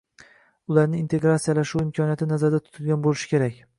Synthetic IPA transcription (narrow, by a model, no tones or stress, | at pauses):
ʊlaɾnɪːnt̪ʰeɡɾat̪sijalaʃuwɪmkʲʰɒnijat̪ɪnazaɾd̪at̪ʰʊ̥t̪ʰɪlˠɡʲanbolɪʃɪ̥kʲʰe̞ɾakʲ